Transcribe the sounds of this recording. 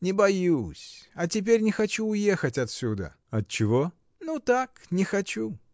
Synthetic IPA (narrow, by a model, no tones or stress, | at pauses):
nʲɪbɐjusʲɐtʲɪp̬ʲeɾʲnʲɪxɐt͡ɕuːje̞xətʲɐt̪sʲud̪ə̰ | ɐt̪t͡ɕːɪvo | nut̪aknʲɪxɐt͡ɕu